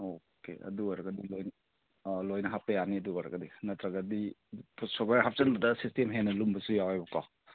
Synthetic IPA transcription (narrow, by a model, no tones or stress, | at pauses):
o | kḛʔɐ̰duɔjɾɐɡɐdilojn | lojnɐɦap̚ɐjaniɐduɔjɾɐ̰ɡɐdinɐtɾɐɡɐdipʰusobaɾɦap̚t͡ʃɐnbɐdɐsistemɦenːɐlumbɐsujawajbɐkaw